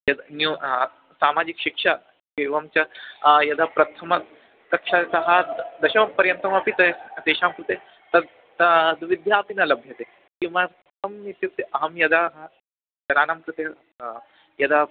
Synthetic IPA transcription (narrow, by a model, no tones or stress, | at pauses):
jɐd̪nu | saːmad͡ʒikɕikʂa | keʋamt͡ɕjajɐd̪apɾɐt̪ʰɐmɐ | kɐkʂasɐɦad̪ɐɕɐʋɐk̚pɐɾjɐnt̪ɾɐmapit̪ɐd̪eːʃamkɾut̪e | t̪ɐɾ | t̪d̪ʋid̪ʱjaːpinɐlɐbʱjɐt̪e | kĩw̃ʋa | t̪ɐmnit̪jut̪eʔɐɦɐmjɐd̪aɦɐ | jɐɾaːnamkɾut̪e | jɐd̪a